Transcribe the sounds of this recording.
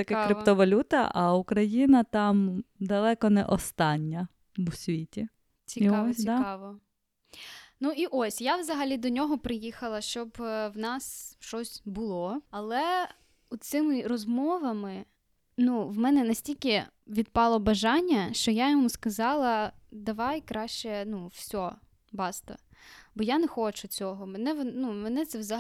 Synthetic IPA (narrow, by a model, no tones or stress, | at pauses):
ɐkɛkɾɪt̪ɔʋɐlʲut̪ɐ̰ʔɐukɾɐjinɐt̪ɑmd̪ɐlˠɛkɔnɛ̰ʔɔst̪ɑnʲːɐ | ʋʊsʲʋʲitʲi | t͡sʲiɔsd̪aɑʋɔ | nuiʔɔsʲjaʋzɐɦɐlʲid̪ɔnʲɔɦɔpɾɪjixɐlˠɐʃt͡ʃɔbwnɑsʃt͡ʃɔsʲbʊlˠɔɐlˠɛ | ut̪sɪmɪɾɔzmɔʋɐmɪ | nuwmɛnɛnɐsʲtʲilʲkʲɪ | ʋʲid̪̚pɑlˠɔbɐʒɑnʲːɐʃt͡ʃɔjajɔmuskɐzɑlˠɐd̪ɐʋɑjkɾɑʃt͡ʃɛnuwsʲɔ | bɑst̪ɐ̰bɔjanɛxɔt͡ʃʊt͡sʲɔɦɔmɛnɛʋnumɛnɛt̪sɛʋzɐ